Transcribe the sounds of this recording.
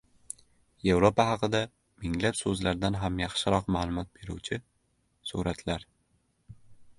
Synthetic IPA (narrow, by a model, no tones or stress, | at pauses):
e̞vɾopahɑqɨd̪a | mɪŋlapsɵzlaɾd̪anɦamjɑχʃɪɾɒqmaːlˠʊmɒt̪̚be̞ɾṵwt͡ʃʰɪ | suɾat̪laɾ